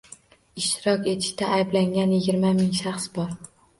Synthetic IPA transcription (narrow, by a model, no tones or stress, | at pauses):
ɪʃt̪ɪɾɒkʲe̞t̪ʰɪ̥ʃt̪aːjblaŋɡʲanjɪɡʲɪɾmamɪŋʃaχsbɒɾ